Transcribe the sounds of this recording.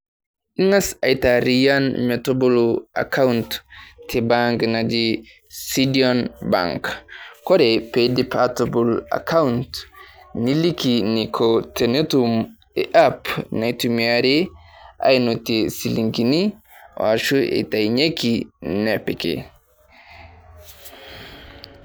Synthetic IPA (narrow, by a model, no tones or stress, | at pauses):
iŋasajtaɾijanmetobulua̰kaunttʰːibaŋɡnad͡ʒi | sidionba̰ŋkkoɾepedipʰatabula̰kauntnilikinikʰotenetum | eʔapnatumiaɾiʔa̰jnotesiliŋɡini | o̰aʃuḛtajɲekinepekḛ